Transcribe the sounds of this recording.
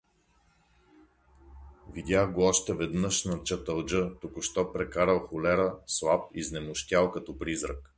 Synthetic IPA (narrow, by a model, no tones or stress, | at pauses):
vid̪ʲaxɡoɔʃt̪ɛvɛd̪nəʃnɐt͡ʃɐt̪əlˠd͡ʒɤt̪ʊkʊʃt̪ɔpɾɛkaɾəlˠxʊlɛɾəslˠap̚iznɛmʊʃt̪ʲalˠkɐt̪ɔpɾizɾə̰k